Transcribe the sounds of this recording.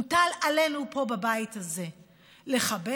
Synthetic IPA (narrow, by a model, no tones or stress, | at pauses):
utalale̞nupo̞babajithaze̞ | le̞χabe